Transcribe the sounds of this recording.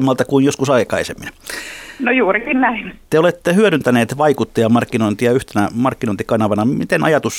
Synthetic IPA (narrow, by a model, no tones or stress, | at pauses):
mːɑlt̪ɑkuinjoskusɑikɑisemːin | nojuːrikinnæint̪eolet̪ːehyøɾynt̪æneːt̪ʋɑikut̪ːɑjɑmɑrkːinoint̪ijɑyht̪enæmɑrkːinoint̪ikɑnɑʋɑnɑmit̪enʔɑjɑt̪us